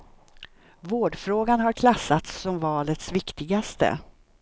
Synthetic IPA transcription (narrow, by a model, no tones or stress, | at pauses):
voːɖfɾoːɡanɦaɾkʰlasːat̪sːɔmvɑːlət̪svɪkt̪ɪɡast̪ə̰